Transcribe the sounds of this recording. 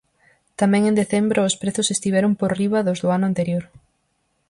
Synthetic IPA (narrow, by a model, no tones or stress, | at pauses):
t̪amɛ̃ŋẽnd̪eθɛmbɾʊːspɾeθʊsest̪iβ̞ɛɾʊmpoɾriβɐðozðʊanʊant̪eɾjoɾ